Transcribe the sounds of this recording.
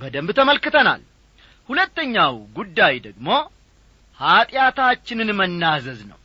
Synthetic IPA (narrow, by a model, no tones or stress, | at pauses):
bəd̪əmbt̪ʰəməlkɨt̪ʰəna̰l | hulət̪ːəɲːawɡud̪ːajd̪əɡmo̞ | hat̪ʼjat̪ʰat͡ʃːɪnɨnmənːazəznə̰w